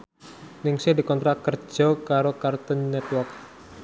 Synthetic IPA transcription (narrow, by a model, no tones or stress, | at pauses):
nɪŋsɪhdikɔnt̪ɾat̪̚kərd͡ʒ̥ɔkaɾokart̪ənːɛt̪̚wɔrk̚